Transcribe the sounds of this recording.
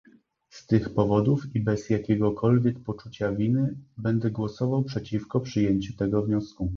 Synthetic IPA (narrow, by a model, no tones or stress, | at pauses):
st̪ɘxpɔvɔd̪ufibɛzjakʲɛɡɔkʰɔlvʲjɛkpɔt͡ʂut͡ɕavʲinɘbɛnd̪ɛɡwɔsɔvawpʂɛt͡ɕifkɔpʂɘjeɲt͡ɕut̪ɛɡɔvɲɔsku